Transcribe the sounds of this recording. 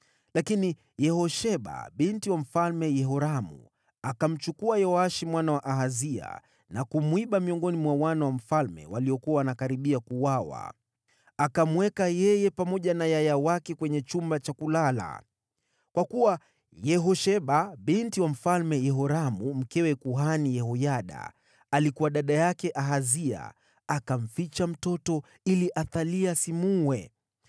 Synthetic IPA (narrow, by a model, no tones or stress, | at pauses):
lakini | jɛɦɔʃɛɓa̰ɓintiwam̩falmɛjɛɦɔɾamṵ | akam̩t͡ʃukuajɔaʃimwanawaʔaɦazia̰ | nakumwiɓamiɔŋɡɔnimwawanawam̩falmɛ̰waliɔkuawanakaɾiɓiakuwawa̰ | akamwɛkajɛjɛpamɔʄanajajawakɛkwɛɲɛt͡ʃumbat͡ʃakulala̰ | kwakuwa | jɛɦɔʃɛɓaɓintiwam̩falmɛjɛɦɔɾamum̩kɛwɛkuɦanijɛɦɔjaɗa̰ | alikuwaɗaɗajakɛʔaɦazia̰ | akam̩fit͡ʃam̩tɔtɔ | iliʔaθaliasimuwɛ